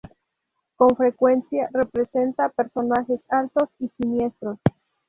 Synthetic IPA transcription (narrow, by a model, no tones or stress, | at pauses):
ko̞ɱfɾe̞kwensjarepɾese̞nt̪apeɾso̞naxe̞salt̪o̞sisinje̞st̪ɾos